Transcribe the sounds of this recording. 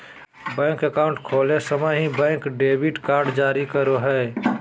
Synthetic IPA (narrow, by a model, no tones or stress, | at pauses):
bɛ̃ːŋkəkaʊ̃ɳʈkʰoːlesəməɦĩbɛ̃ːŋkɖeːbiʈkaːɾɖd͡ʒaːɾikəɾoɦɛː